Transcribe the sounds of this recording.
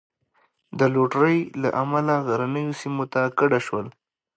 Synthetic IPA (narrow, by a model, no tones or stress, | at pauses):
d̪əloʈɾəjla̰ʔamalaɣaɾanəjosimot̪akaɽaʃwəl